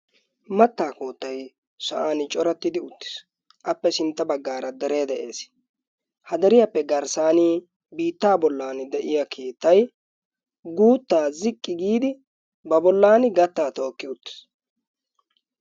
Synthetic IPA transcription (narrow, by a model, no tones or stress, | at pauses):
mɐt̪ːaːko̞ːt̪ːɐj | sɐʔaːnɪt͡ʃʼɔɾɐt̪ːɪd̪ɪʊt̪ːɪ̥s | ʔɐpːɛsɪnt̪ːɐbɐɡːaːɾɐd̪ɛɾe̞ːd̪ɛʔeːs | hɐd̪ɛɾɪjɐpːɛɡɐɾsaːni | biːt̪ːaːbɔlːaːnɪd̪ɛʔɪjakʰeːt̪ːɐj | ɡuːt̪ːaːzɪkʼːɪɡiːd̪ɪ | bɐbɔlːaːnɪɡɐt̪ːaːt̪oːkːɪʊt̪ːɪ̥s